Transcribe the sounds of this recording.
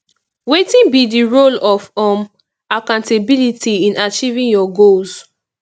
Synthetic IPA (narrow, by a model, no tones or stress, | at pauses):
wetĩnbidiɹolɔfɔ̃m | akãʊ̃ntebilitiĩnat͡ʃivĩnjɔɡolz